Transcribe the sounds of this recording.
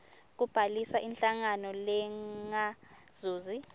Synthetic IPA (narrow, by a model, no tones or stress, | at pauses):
k̬ub̥ʱalisaʔinɬaŋanɔlɛŋaz̥uːzi